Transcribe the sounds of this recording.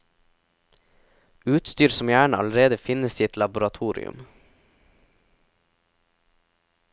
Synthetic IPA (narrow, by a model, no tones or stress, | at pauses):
ʉːt̪st̪yːɾsɔm̩jæːɳɑ̰ləɾeːd̪əfɪnəsɪt̪lɑbʊɾɑt̪ʰuːɾɪ̰ʉ̰m